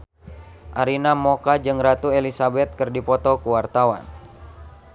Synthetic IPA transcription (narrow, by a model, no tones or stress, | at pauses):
ʔaɾinamɔkad͡ʒɨŋrat̪uelisabɛt̪̚kɨrdipɔt̪ɔkuwart̪awa̰n